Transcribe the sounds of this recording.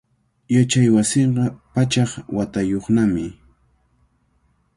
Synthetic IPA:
jat͡ʃajwasɪɴɢɑpat͡ʃɑχwat̪ajoχnamɪ

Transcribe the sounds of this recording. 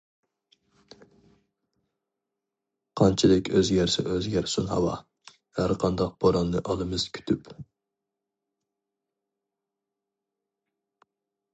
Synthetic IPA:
qʰɑnt͡ʃʰɪlɪkʲʰøzjɛɾsɪ̰ʔøzɡʲɛɾsunhɑ̰wɑ | hæɾqʰɑnd̪ɑq̚b̥oɾɑnːɨʔɑlˠɨmɨz̥kʲʰy̥t̪ʰyp

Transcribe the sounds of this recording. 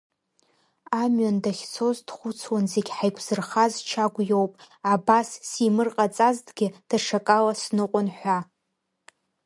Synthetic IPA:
amɥandaχʲt͡sʰo̞zdχʷʊt͡sʰwanzeɡʲħajkʷʰz̥ɨrχazt͡ʃʰaɡʷjo̞wpʼ | abasːimɨrqʼat͡sʼazdɡʲɪd̥aʂakʼalasnɨqʷʼʊnħʷa

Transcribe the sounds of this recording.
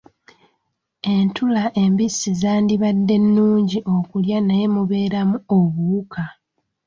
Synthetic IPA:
e̞ntulaʔe̞mbisːizaːndiβadːe̞nːuːɲɟiʔo̞kuljanaje̞muβe̞ːɾamuo̞βuːka

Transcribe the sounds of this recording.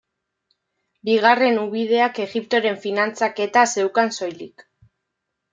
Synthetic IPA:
biɣ̞are̞nuβið̞e̞ake̞ɣip̚t̪o̞ɾe̞ɱfinant͡sake̞t̪ase̞wkanso̞jlik

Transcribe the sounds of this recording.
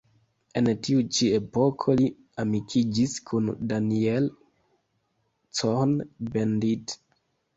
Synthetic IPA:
e̞ntiut͡ʃie̞po̞kʰo̞li | amikʰid͡ʒiskʰundaniel | t͡sonbendit

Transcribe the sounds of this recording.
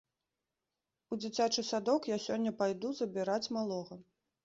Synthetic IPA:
ud͡zʲit͡sʲat͡ʂɨsad̪ɔkjasʲɔnʲːɐpajd̪uzɐbʲiɾat͡sʲmalˠɔɣɐ

